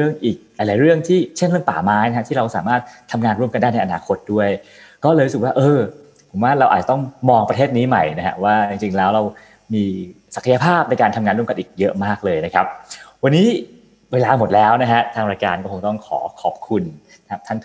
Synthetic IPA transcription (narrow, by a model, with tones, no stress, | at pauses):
ɾɯ˥˩əŋʔiː˨˩k̚la˧jlaː˨˦jɾɯ˥˩əŋt̪ʰiː˥˩t͡ɕʰe˥˩nɾɯ˥˩əŋpa̰ː˨˩maː˦˥jna˦˥a˧˥t̪ʰiː˥˩ɾa˧wsaː˩˦maː˥˩t̪̚ʰːa˧mŋaː˧nɾu˥˩əmka˧ndaː˥˩jna˧jʔa˧naː˧kʰo˦˥t̪̚du˥˩əj | kɔː˥˩lɤː˧ɾu˥sɯ˨˩k̚waː˥˩ʔɤː˧ | pʰo˩˦mwaː˥˩ɾa˧wʔa̰ː˨˩t̚t͡ɕḁ˨˩t̪ŋmɔː˧ŋpɾa˧t̪ʰeː˥˩t̪̚niː˦˥ma˨˩jna˦˥kʰa̰˦˥ʔwaː˥˩t͡ɕi˧ŋt͡ɕi˧ŋlɛː˦˥wɾa˧w | miː˧ | sa˨˩kʰa˧ja˧pʰaː˥˩p̚na˧jkaː˧nt̪ʰa˧mŋaː˧nɾu˥˩ə˨ka˧nʔiː˨˩k̚jɤ˦˥ʔmaː˥˩k̚lɤː˧jna˦˥kʰa˦˥p̚wa˧nːiː˦˥ | weː˧laː˧mo˨˩t̪̚lɛː˦˥wna˦˥kʰa˦˥t̪ʰaː˧ŋɾaː˧jka̰ː˧nkɔː˥˩o˧ŋt̪ɔ˥˩ŋkʰɔ̰ː˩˦kʰɔ˨˩p̚kʰu˧n | kʰa˦˥t̪ʰa˥˩n